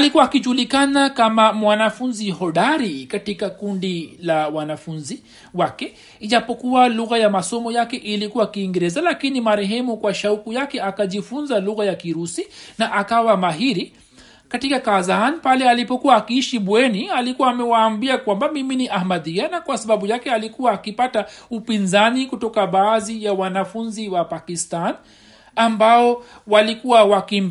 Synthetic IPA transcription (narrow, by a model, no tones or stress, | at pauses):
alikuwaːkiʄulikanakamamwanafunziɦɔɗaɾikatikakundilawanafunzi | wakɛ | iʄapɔkuwaluɣajamasɔmɔjakɛʔilikuwakiːŋɡɛɾɛzalakinimaɾɛɦɛmukwaʃaukujakɛakaʄifunzaluɣajakiɾusinaʔakawamaɦiɾi | katikakazanpalɛalipɔkuwaːkiiʃiɓwɛnialikuwaːmɛwaːmbiakwambamiminiʔahmaðianakwasaɓaɓujakɛalikuwaːkipataupinzanikutɔkaɓaːðijawanafunziwapakistan | ambaɔ | walikuwawakim